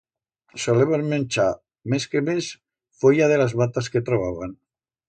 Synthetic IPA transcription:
soleβanmẽnt͡ʃa | meskemes | fojaðelazβat̪asket̪ɾoβ̞aβan

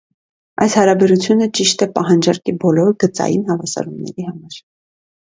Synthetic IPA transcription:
ʔɑjshɑɾɑbɛɾut͡sʰjunət͡ʃiʃt̪ɛpɑɦɑnd͡ʒɑɾkibɔlɔɾɡət͡sɑ̰jinhɑvɑsɑ̰ɾumnɛ̰ɾihɑmɑɾ

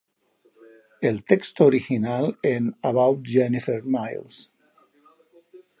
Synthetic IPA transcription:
elt̪ekst̪ooɾixinalenaβawt̪d͡ʒɛnifeɾmajls

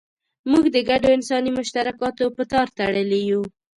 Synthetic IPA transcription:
muɡd̪əɡaɖoɪnsɑnimʊʃt̪aɾakɑt̪opət̪ɑɾt̪aɽəleju

